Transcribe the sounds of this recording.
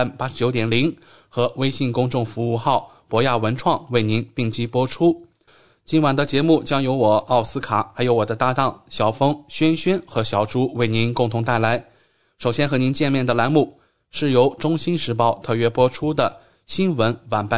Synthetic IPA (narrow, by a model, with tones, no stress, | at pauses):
npa˥ʂɻt͡ɕjo˧˥ʊjɛ˨˩nli˧˥ŋ | xɤ˧˥we˥ɪɕi˥˩nkʊ˥ŋʈ͡ʂʊ˥˩ŋfu˧˥u˥˧xɑ˥˩ʊ | pwɔ˧˥ja˥˩wə˧˥nʈ͡ʂʰwɑ˥˧˩ŋwe˥˩ɪni˧˥npi˥˩ŋt͡ɕi˥pwɔ˥ʈ͡ʂʰu˥ | t͡ɕi˧˥nwa˨˩nd̪ə˦t͡ɕjɛ˧˥mu˥˩t͡ɕjɑ˥ŋjo˧˥ʊwɔ˨˩ɑ˥˩ʊsɹ̩˥kʰa˨˩˦xa˧˥ɪjo˧˥ʊwɔ˨˩d̪ə˦t̪a˥˧t̪ɑ˥˩ŋɕjɑ˨˩ʊfɤ˥ŋɕɥɛ˥nɕɥɛ˥nxɤ˧˥ɕjɑ˨˩ʊʈ͡ʂu˧˥we˥˩ɪni˧˥nkʊ˥˩ŋt̪ʰʊ˧˥ŋt̪a˥˩ɪla˧˥ɪ | ʂo˨˩ʊɕjɛ˥nxɤ˧˥ni˧˥nt͡ɕjɛ˥˧nmjɛ˥˩nd̪ə˩la˧˥nmu˥˩ | ʂɻ̩˥˩jo˧˥ʊʈ͡ʂʊ˥ŋɕi˥nʂɻ̩˧˥pɑ˥˧ʊt̪ʰɤ˥˩ɥɛ˥pwɔ˥ʈ͡ʂʰu˥d̪ə˨ | ɕi˥nwə˧˥nwa˨˩npa˥˩